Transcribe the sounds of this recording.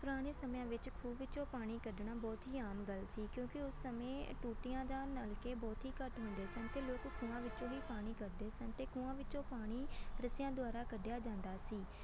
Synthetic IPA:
pʊɾaːɽ̃eːsəmjãːʋɪt͡ʃkʰuːʋɪt͡ʃõːpaːɽ̃iːkəɖɳaːbɔːt̪ɦiːaːmɡəlsiːkjõːkɪʊsːəmẽːʈuːʈɪjãːd̪ãːnəlkeːbɔːt̪ɦiːkəʈɦʊ̃nd̪eːsənt̪eːloːkkʰũːãːʋɪt͡ʃõːɦiːpaːɽ̃iːkəɾd̪eːsənt̪eːkʰũːãːʋɪt͡ʃõːpaːɽ̃iːɾəsɪjãːd̪ʊaːɾaːkəɖjaːd͡ʒãːnd̪aːsiː

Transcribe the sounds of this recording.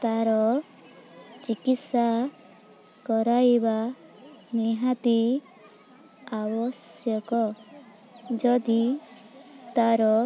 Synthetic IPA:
t̪aɾɔ | t͡ʃikit̪sa | kɔɾajba | niɦat̪i | abɔsjɔkɔ | d͡ʒɔd̪i | t̪aɾɔ

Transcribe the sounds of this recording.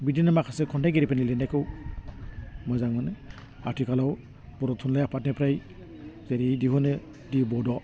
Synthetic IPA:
bidinamakʰasekʰɔndajɡeɾipanilenajkʰɯw | mɔjzaŋɔne | atʰikʰalaw | bɔɾɔtʰunlajapʰat̚nepʰɾaj | zeɾidiɦɔnɯ | dibɔdɔ

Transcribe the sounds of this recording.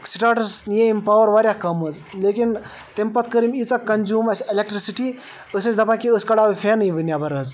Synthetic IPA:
siʈaʈɐɾsnijeimpawəɾʋaɾʲjakɐmɐz | lekin | t̪empɐt̪̚ʰkəɾimit͡sɐkkːɐnzuːmɐselek̚ʈɾisiʈi | əsɐt͡ʃd̪ɐpankiəskɐɽawipʰenɨjʋinjabɐɾɐz

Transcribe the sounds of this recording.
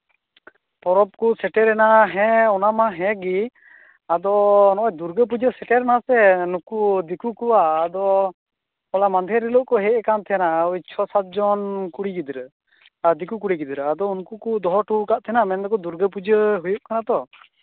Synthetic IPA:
pɔɾɔp̚kusɛʈɛɾɛnaɦɛ̃ɔnamaɦɛ̃ɡi | ad̪ɔnɔad̪uɾɡəp̬ud͡ʒəsɛʈɛɾɛnasɛnukud̪ikukuwaːd̪ɔ | ɔlamand̪ʱɛɾilɔʔkɔɦɛʔɛkant̪ʰɛnaut͡ʃʰɔsat̪̚d͡ʒɔnkuɽikid̪ɾə | ad̪ikukuɽikid̪ɾəad̪ɔunkukud̪ɔɦɔʈukaʔt̪ʰɛnamɛnd̪ɔkɔd̪uɾɡəp̬ud͡ʒəɦujuʔ̚kanat̪ɔ

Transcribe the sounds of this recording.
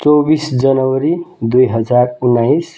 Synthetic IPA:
t͡sobisd͡zʌnʌwʌɾid̪ujɦʌd͡zarunːajs

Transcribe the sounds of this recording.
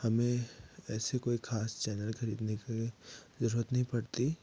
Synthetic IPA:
hɐmẽɛːsekoːixʰaːst͡ʃɛːnəlkʰɐɾiːd̪nekezɐɾuːɾət̪nɐɦĩpɐɽt̪i

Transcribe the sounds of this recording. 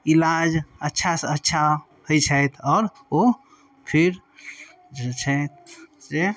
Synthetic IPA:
ilad͡ʒətːʃʰasətːʃʰa | hojt͡ʃʰəjt̪ʰɔːɾ | o | pʰiɾ | d͡ʒet͡ʃʰəjt̪̚d͡ʒe

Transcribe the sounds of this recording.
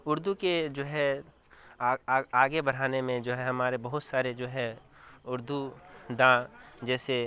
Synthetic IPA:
ʊɾd̪uked͡ʒoːɦɛ | aaːɡebɐɾ̤aːnemẽd͡ʒoːɦɛɦɐmaːɾebɐɦʊt̪saːɾed͡ʒoːɦɛʊɾd̪ʱud̪ãd͡ʒɛːse

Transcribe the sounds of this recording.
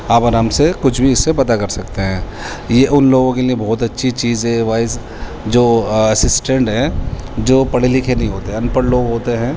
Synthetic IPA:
aːpɐɾəːmsekʊt͡ʃʰbʱiɪsːepɐt̪akɐɾsɐkt̪eɦɛ̃ː | jeʔʊnloːɡõkeliebɔːt̪ɐtːʃʰit͡ʃiːzɦɛ̃ʋaːɪz | d͡ʒoːɐsɪsʈẽɳʈɦɛ̃ːd͡ʒoːpɐɽelikʰenɐɦĩɦoːt̪eɦɐnpəɾloːɡɦoːt̪eɦɛ̃ː

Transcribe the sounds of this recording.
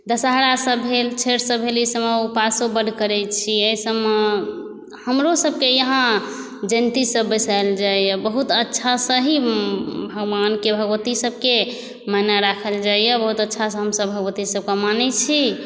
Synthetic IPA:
d̪əsaɦɾasəbɦelt͡ʃʰeɾsəbɦeləsəmeupasobəɖ̪ʱkəɾɛt͡ʃʰiəjsəme | həmɾosəb̚kejəɦã | d͡ʒənt̪isəbːəsaeld͡ʒaijəbəɦut̪ətːʃʰasə̃ɦibʱəɡbankebʱəɡʋət̪isəb̚ʱke | manaɾakʰəld͡ʒaijəbəɦut̪ətːʃʰasə̃ɦəmsə̃bbʱəɡwət̪isəb̚kemanɛt͡ʃʰi

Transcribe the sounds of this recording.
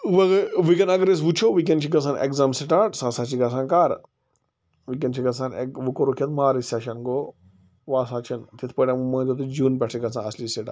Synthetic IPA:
ʋɐɡʋikɐnɐɡɾes̬ʋut͡ʃʰoːʋik̬ent͡ʃʰiɡɐsaːnḛkzaːmsiʈaːʈsaːsaːt͡ʃʰiɡɐs̬ãːnkaːɾ | ʋik̬ɐnt͡ʃʰiɡɐsʰaːneʋukoɾokʰɐt̪maːɾisaʃɐnɡoː | ʋaːsaːt͡ʃʰint̪it̪ʰpɐʈɐmɐ̃ːd͡ʒ̪ot̪ud͡ʒuːnpʲɐʈʰiɡɐt͡sãːɐsliːseʈa̰ː

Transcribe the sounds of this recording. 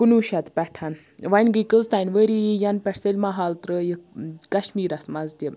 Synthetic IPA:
kunuːʃɐt̪pʲɛʈʰan | ʋɐnʲɡikəlzt̪anʲʋəɾijijɐnpʲɛʈselʲmɐɦaːlt̪ɾəjikɐʃmiːɾɐsmɐzt̪ʲi

